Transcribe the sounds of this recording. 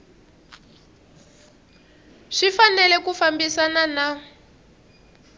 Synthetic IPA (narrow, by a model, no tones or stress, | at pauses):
ʂifanɛlɛkufambisanana